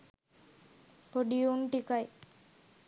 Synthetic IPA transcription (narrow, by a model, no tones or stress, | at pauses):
poɖijuɳʈikaj